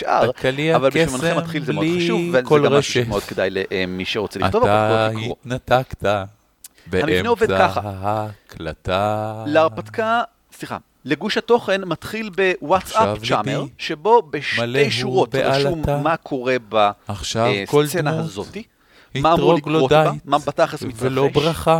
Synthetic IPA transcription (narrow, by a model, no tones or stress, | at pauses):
ʃʔa̰ʁkaliaavalbeʃmanemt̪χilzemeodχaʃʃuvvekolaʁiʃmeod̪̥̚kedajleʔemiʃeʁo̞t͡selitovaaoikʁiot̪nat̪akt̪a | beamiemneovedkaχaɦaklataleaʁpat̪ka | sliχa̰ | leɡuʃhato̞χe̞nmat̪χilbe̞wat͡ssavt͡ʃameʁʃebo̞beʃmatejʃuʁot̪baauamːakʰo̞ʁebaaχʃavekoldsenauazo̞t̪i | himamʁoiɡloodabatmabataχesmit̪ealobʁaχa